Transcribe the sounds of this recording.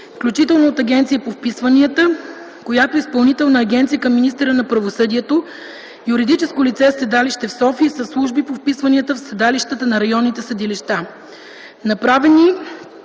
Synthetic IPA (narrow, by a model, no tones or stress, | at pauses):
fklʲut͡ʃit̪ɛlˠnoot̪ɐɡʲɛnt̪siipofpisvəniət̪ə | kojat̪oispɐlˠnit̪ɛlˠnəːɡʲɛnt̪sijəkɐmːinist̪ɛɾənɐpɾɐvosɤd̪iɛt̪o | juɾid̪it͡ʃɛskolit̪sɛsɛd̪aliʃt̪ɛfsɔfiəsəslˠuʒbipofpisvəniət̪əfsɛd̪aliʃt̪ət̪ənɐɾɐjɔnːit̪ɛsəd̪iliʃt̪a | nɐpɾavɛni